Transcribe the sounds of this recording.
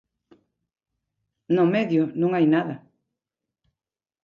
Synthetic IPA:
nomeðjʊnũŋajnaðɐ

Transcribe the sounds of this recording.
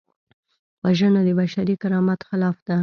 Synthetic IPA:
waʒənad̪əbaʃaɾikaɾɑmat̪xɪlɑfd̪̥a

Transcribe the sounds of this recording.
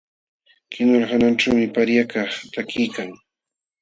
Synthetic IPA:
kɪnoɾɢananʈ͡ʂawmɪpaɾjakɑχt̪akɪjkaŋ

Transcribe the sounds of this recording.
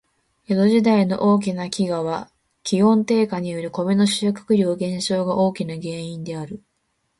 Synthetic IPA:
jod̪o̞ʑid̪aino̞̰ʔo̞ːk̬ʲinakʲiɡaβ̞a | kʲiɦõ̞nt̪e̞ːkaɲ̟ijoɾɯ̟ko̞beno̞ɕiokɯ̥kɯ̟ɾʲo̞ːɡẽ̞ɰ̃ɕo̞ːɡaʔo̞ːkʲinaɡe̞ːĩnd̪e̞aɾɯ̟

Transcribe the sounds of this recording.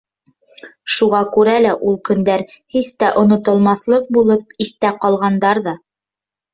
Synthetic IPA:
ʃuʁɑkʉɾælæʔulˠkɵ̆nd̪æɾhist̪æʔŏnŏt̪ŏlˠmɑθlˠɤq̚bulˠɤp̚iθt̪æqɑlˠʁɑnd̪ɑɾðɑ

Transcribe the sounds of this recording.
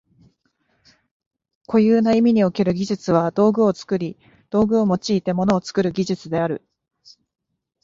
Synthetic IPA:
kʰo̞jɯːnaimʲiɲ̟io̞ke̞ɾɯ̟ɡʲiʑɨt͡sɨβ̞ad̪o̞ːɡɯ̟o̞t͡sɨ̥kɯ̟ɾʲi | d̪̥o̞ːɡɯ̟o̞mo̞t͡ɕiːt̪e̞mo̞no̞ːt͡sɨ̥kɯ̟ɾɯ̟ɡʲiʑɨt͡sɨd̪e̞aɾɯ̟

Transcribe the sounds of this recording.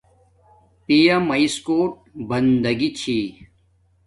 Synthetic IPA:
pijɐmɐiskoːʈ̚bɐnd̪ɐɡit͡ɕʰi

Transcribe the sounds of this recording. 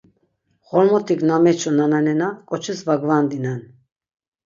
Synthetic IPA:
χɔlmɔt̪ʰiknamɛt͡ʃʰɔnananɛnakʼɔt͡ʃʰɛsvaɡvand̪inan

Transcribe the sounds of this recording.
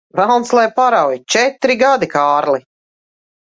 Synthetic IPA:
vælˠnslˠajpaɾawjit͡ʃɛt̪ɾiɡad̪ikaːɾlˠi

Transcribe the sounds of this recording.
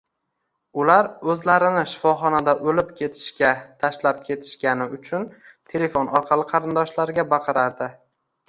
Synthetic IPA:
ʊlaɾɵzlaɾɪnɪʃɪ̥fɒχɒnad̪aʔɵlɪpkʲʰe̞t̪ʰɪ̥ʃkʲat̪ʰaʃlap̚kʲʰe̞t̪ʰɪ̥ʃkʲanɪʊt͡ʃʰʊn | t̪ʰe̞le̞fonɒɾqʰɑlˠɪqʰɑɾɪnd̪ɒʃlaɾɡʲabɑqʰɨɾaɾd̪ɪ

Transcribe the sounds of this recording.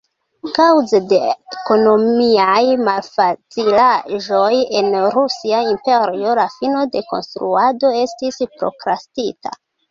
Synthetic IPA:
kawzede̞eko̞no̞miajmalfat͡silaʒo̞je̞nɾusiaimpe̞ɾio̞lafino̞de̞ko̞̰nstɾuado̞e̞stispɾo̞̰kɾastita̰

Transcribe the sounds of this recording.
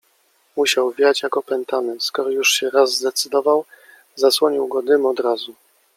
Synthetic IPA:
muɕawvʲjat͡ɕjakɔpɛnt̪amɛnt̪skɔɾɔjuʂɕɛɾazːd̪ɛt̪sɘd̪ɔvaw | zaswɔɲiwɡɔd̪ɘmɔd̪ɾazu

